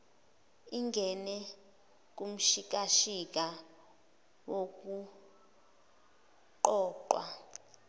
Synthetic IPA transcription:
iŋɡʱɛnɛ | k̬um̩ʃik̬aʃik̬ʼa | wok̬u | ǃɔːǃwa

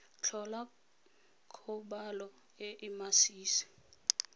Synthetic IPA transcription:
t͡ɬʰɔla | kʰɔɓalɔ | ɛʔimasiːsi̥

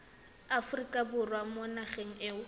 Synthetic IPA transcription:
afʊrikʼabʊrwamɔnaχeŋ̩eːʊ

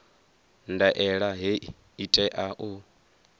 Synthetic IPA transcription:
ndaʔɛɺaɦeʔi | itʼɛʔaʔu

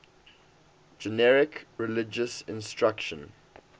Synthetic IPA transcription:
d͡ʒɛnɛɹɪkɹɪlɪd͡ʒəsɪ̰̃nstɹakʃə̃n

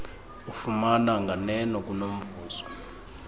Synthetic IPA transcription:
ufumanaŋɡʱanɛnɔk̬ʼunom̩bʱuːzɔ

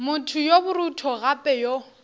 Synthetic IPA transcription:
mʊtʰʊjobʊɾutʰɔɣapʼɛjo

